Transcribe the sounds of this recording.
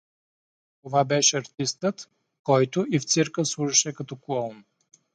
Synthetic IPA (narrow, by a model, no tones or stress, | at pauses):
t̪ovabɛʃɛɐɾt̪ist̪ət̪ | kɔjt̪ʊift̪səɾkəslˠuʒɐʃɛkɐt̪ɔkɔlˠn